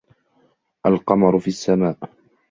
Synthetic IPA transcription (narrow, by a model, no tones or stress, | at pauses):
ʔalqɑmɑɾˤfiːʔasːamaːʔ